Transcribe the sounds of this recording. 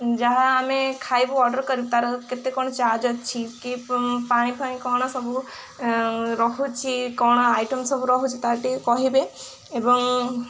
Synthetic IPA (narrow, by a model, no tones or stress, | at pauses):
d͡ʒaɦaːmekʰajbuɔɾɖɔɾkɔɾibet̪aɾɔket̪ekɔɽ̃ɔt͡ʃad͡ʒɔt͡ʃʰikipaɽ̃ĩpʰaɽ̃ĩkɔɽ̃ɔsɔbu | ɾɔkut͡ʃʰikɔɽ̃ɔajʈumsɔbuɾɔɦut͡ʃʰit̪aɾʈikɔɦibe | ebɔŋ